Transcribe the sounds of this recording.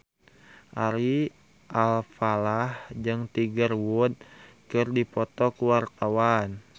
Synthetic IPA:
ʔaɾi | ʔalfalahd͡ʒɨŋt̪iɡərwud̪̚kɨrdipɔt̪ɔkuwart̪awan

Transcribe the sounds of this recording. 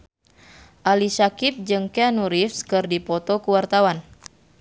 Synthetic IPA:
ʔalisakip̚d͡ʒɨŋkeanuɾifskɨrdipɔt̪ɔkuwart̪awan

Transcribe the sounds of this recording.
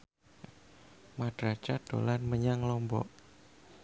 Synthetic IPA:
mad̥ɾat͡ʃad̥o̰lanməɲaŋlɔmbɔ̰ʔ

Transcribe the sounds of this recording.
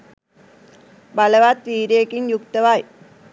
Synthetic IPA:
bɐlɐʋaːt̪ʋiːɾeːkinjukt̪ɐʋaːj

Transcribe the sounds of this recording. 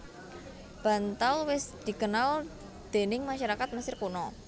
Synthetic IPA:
b̥a̤nt̪alwɪsd̪̥i̤kənal | d̪̥e̤nɪŋmaʃaɾakat̪̚məsɪrkunɔ

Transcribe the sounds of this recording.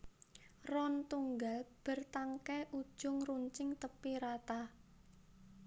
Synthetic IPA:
rɔnt̪uŋɡalb̥ə̤rt̪aŋkɛʔu̥ʒ̥ʊŋruɲt͡ʃɪŋt̪əpiɾat̪a

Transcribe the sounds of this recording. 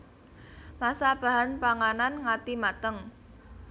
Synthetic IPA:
masab̥a̤ɦanpaŋananŋat̪imat̪əŋ

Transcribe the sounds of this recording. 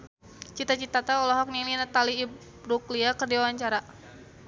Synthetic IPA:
t͡ʃit̪at͡ʃit̪at̪aɔlɔɦɔk̚nilinat̪aliː | ɾukliakərdiwawaɲt͡ʃaɾa

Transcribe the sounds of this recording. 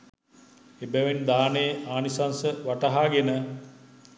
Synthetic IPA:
ebæʋend̪aːnejəʔaːnisansəʋaʈɐɦaːɡenə

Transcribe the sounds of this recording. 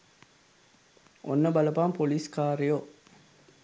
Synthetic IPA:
ʔo̰nːəbɐlɐpaːmpoliskaːɾijo

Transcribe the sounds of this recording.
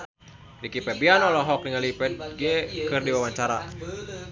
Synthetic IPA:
dikipɛbianɔlɔɦɔk̚niŋalipɛt̪̚ɡiɛkɨrdiwawaɲt͡ʃaɾa

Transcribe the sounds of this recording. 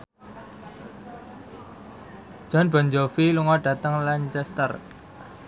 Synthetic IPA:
d̥ʒ̥ɔ̤nb̥ɔ̤ɲd͡ʒɔfiluŋɔɖ̥ä̤t̪əŋlaɲt͡ʃɛst̪ər

